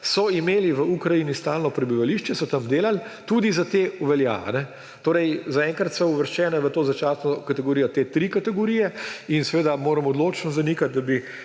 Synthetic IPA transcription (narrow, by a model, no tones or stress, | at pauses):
sɔimeːliʋəukɾaiːnist̪aːlnɔpɾɛbiʋaliʃt͡ʃɛsɔt̪amd̪eːlalt̪uːd̪izat̪euʋɛlja̰a̰nɛ | t̪oːɾɛjzaɛːŋkɾɐt̪sɔuʋəɾʃt͡ʃɛːnɛʋət̪oːzat͡ʃaːsnɔkat̪ɛɡoɾijɔt̪eːt̪ɾikat̪ɛɡɔɾijɛinsɛʋeːd̪amoːɾɐmɔd̪loːt͡ʃnɔzanikat̪̚d̪abi